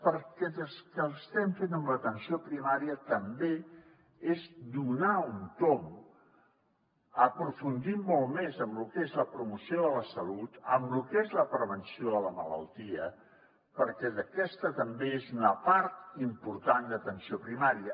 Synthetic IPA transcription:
pəɾkɛðəskəlˠəst̪ɛmfenəmlət̪ənsiopɾimaɾiət̪əmbe | ezd̪unaunt̪om | əpɾufund̪imːolˠmezəmlukezləpɾumusioðələsəlut̪əmlukezləpɾəβənsioðələmə̰lə̰lˠt̪iə | pəɾkɛðəkɛst̪ət̪əmbeezunəpaɾt̪impuɾt̪and̪ət̪ənsiopɾimaɾiə

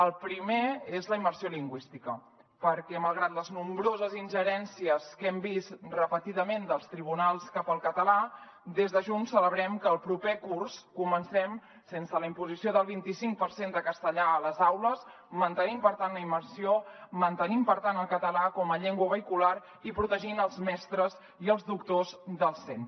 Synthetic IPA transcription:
əlˠpɾimeezləimərsioliŋɡwist̪ikə | pəɾkɛməlˠɣ̞ɾat̪ləznumbɾozəzinʲʒəɾɛnsiəskɛmbist̪rəpət̪iðəmend̪əlˠst̪ɾiβ̞unalˠskapəlˠkət̪əla | d̪ezðəʒunsːələβɾɛmkəːlˠpɾupekurskumənsɛm | sensələimpuzisioðəlˠβint̪isiŋk̚pəɾsend̪əkəst̪əʎaələzawləs | mənt̪ənimpəɾt̪anləiməɾsiomənt̪ənimpəɾt̪anəlˠkət̪əlakɔməʎɛŋɡwəβəikulaɾ | ipɾut̪əʒinəlˠzmɛst̪ɾəz | iəlˠzduk̚t̪ozðəlˠsent̪

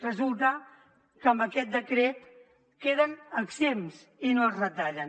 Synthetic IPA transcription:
rəzulˠt̪ə | kəmbəkɛt̪̚d̪əkɾet̪ | keðənəɡzems | inoəzrət̪aʎən

